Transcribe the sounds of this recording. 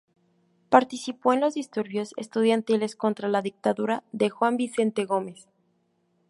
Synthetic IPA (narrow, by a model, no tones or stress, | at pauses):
paɾt̪isipo̞enlo̞zðist̪uɾβjo̞se̞̰st̪uð̞jant̪ile̞sko̞nt̪ɾalaðik̚t̪aðuɾaðe̞xwambise̞nt̪e̞ɣo̞me̞s